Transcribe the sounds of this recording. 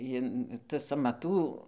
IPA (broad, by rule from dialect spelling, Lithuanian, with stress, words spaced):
ˈjɪn tɐs ɐmɐˈtuː